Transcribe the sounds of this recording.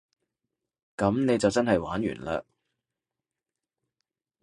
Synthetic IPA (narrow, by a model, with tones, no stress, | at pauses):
kɐ˨˥mne˨˧jt͡sɐ˨wt͡sɐ˥nɦɐ˨jwaː˨˥njy̰ː˨˩nla̰ː˧